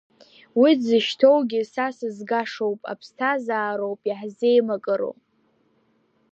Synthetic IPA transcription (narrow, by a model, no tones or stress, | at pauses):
wid͡zɨʃtʰowɡʲɪsasɨzɡaʂowpʼa̰pʰstʰazaːɾowpʼjaħze̞jmakʼɨɾo̰wpʼ